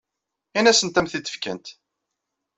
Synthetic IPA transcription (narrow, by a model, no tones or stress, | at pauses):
inæsənt̪æmθit̪ːə̥fkə̰nt̪